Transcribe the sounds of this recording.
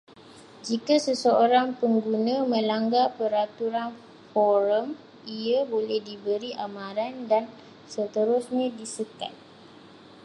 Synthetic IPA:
d͡ʒikasəsəoɾaŋpəŋɡunãmə̃laŋɡapəɾat̪uɾan | fɔɾəm | iabolɛhdibəɾiʔamãɾandan | sət̪əɾʊsɲãdisəka̰t̪̚

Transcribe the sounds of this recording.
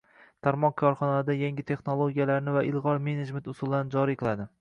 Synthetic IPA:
t̪ʰaɾmɒnkʰɒɾχɒnasd̪ajaŋɡʲɪt̪ʰe̞χnolˠoɡʲijalaɾnɪvaʔɪlˠʁɒɾme̞ned͡ʒment̪ʊsʊlˠand͡ʒɒɾijqʰɨlˠad̪ɪ

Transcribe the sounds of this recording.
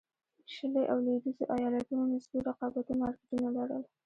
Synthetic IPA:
ʃəleʔawled̪izoʔajɑlat̪unonasbiɾaqɑbat̪imɑɾkɪd̪unalaɽə̰l

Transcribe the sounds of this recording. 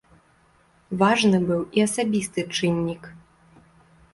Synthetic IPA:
vaʐnɨbɨwiɐsabʲist̪ɨt͡ʂɨnʲːik

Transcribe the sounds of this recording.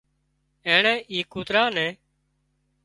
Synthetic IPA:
ɛːɳɛ̃ːʔiːkuːt̪ɾaːnɛ̃ː

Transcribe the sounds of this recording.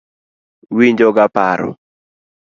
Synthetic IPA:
wiɲd͡ʒɔɡapa̰ɾɔ̰

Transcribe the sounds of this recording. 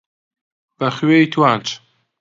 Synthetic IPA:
b̥ɐχɥejt̪ʰwaːnt͡ʃʰ

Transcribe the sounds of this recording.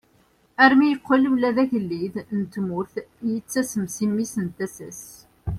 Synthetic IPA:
æɾmijəqːiləmlæðæʝəlːiðnt̪mʊɾθjit͡sːæsəmsimːisənt̪æsæs

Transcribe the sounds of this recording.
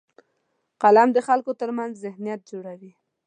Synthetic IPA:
qalamd̪əxalkot̪əɾmanzzɪhnijat̪̚d͡ʒoɽawi

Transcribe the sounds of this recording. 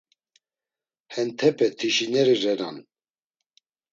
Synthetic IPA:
hɛnt̪ʰɛpʰɛt̪ʰiʃinɛɾirɛɾan

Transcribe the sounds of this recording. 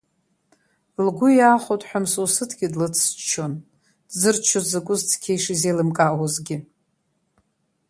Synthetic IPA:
lɡʷʊjaːχotʼħʷᶣamsosɨtʰɡʲɪdlɨt͡sʰt͡ʃʰon | dzɨrt͡ʃʰozɨkʷʼʊzt͡sʰkʲʰejʂizejlɨmkʼawazɡʲɪ

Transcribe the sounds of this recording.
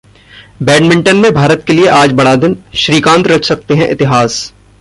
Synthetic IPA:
bɛːɖmɪ̃ɳʈənmẽbʱaːɾət̪kelieʔaːd͡ʒbɐɽad̪ɪnʃɾiːkãːnt̪ɾɐd͡ʒʰsɐk̚t̪eɦɛ̃ʔɪ̰t̪ɪɦaːs

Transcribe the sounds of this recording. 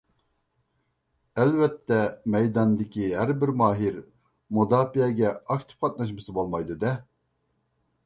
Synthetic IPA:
ɛlvɛt̪ʰːɛmɛjd̪ɑnd̪ɪkʲʰiɦæɾbɪɾmɑːɦiɾ | mod̪ɑːpiɛɡʲɛɑk̚t̪ʰɪ̥p̚qʰɑt̪̚nɑʃ̬mɨsɨbolˠmɑjd̪ud̪ɛ

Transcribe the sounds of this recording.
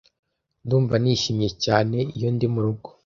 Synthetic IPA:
nduːɱvaniːʃimijecaːne̞ijo̞ndimuɾuɡo

